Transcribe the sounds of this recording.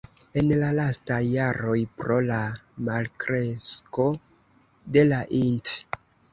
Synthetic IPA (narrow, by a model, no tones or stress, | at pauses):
e̞nlalastajːaɾo̞jpɾo̞lamalkɾesko̞ | de̞laʔint